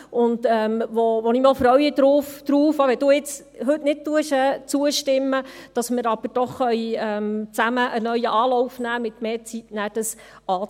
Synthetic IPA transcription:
ʊndɛːmʋɔʋɔniːmɑːlfɾœɥɪd̥̪ɾuːfd̥ɾuːfɑʋɛd̥uːɪt͡s | ɦɵtnɪt̚tuəʃɛːt͡suəʃtɪmːəd̥ɑsmɪɾɑb̥əɾd̥ɔχːœʏɛmt͡sæməʔənœɥəʔɑːlɔwfnæːmɪt̪meːt͡sitnæːɾd̥əs | ɑː

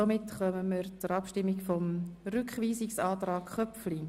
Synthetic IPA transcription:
omɪtχœməməɾt͡suɾɑpʃtɪmːikfɔmrʏkχʋiːsɪksɑːtrɑːkχœpfli

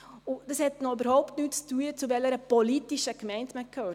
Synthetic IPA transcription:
ʊd̥ɑshɛtnɔybəɾhɔʊptnyːtt͡styːət͡suvɛləɾəpɔlitiʃəkmɛɪntməkʰhøː

